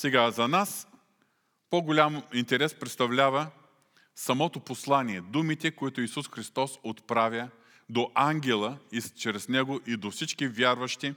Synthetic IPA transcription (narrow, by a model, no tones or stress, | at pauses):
sɛɡazɐnas | poɡolʲamint̪ɛɾɛspɾɛt̪st̪ɐvlʲavɐ | sɐmɔt̪oposlˠaniɛd̪umit̪ɛkoit̪oisusxɾist̪ɔsot̪pɾavʲjə | d̪oʔaŋɡʲɛlˠəit͡ʃɾɛsnɛɡoʔid̪ofsit͡ʃkivʲjaɾvɐʃt̪i